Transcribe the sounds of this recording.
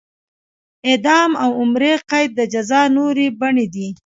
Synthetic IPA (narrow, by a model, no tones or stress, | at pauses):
ed̪ɑmawʊmɾeqajd̪̚ːəd͡ʒazɑnoɾebaɳed̪i